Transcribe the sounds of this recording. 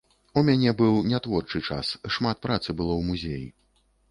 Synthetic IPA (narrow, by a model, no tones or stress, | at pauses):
umʲanʲɛbɨwnʲat̪vɔrt͡ʂɨt͡ʂa̰sʂmat̪̚pɾat̪sɨbɨlˠɔwmuzʲejḭ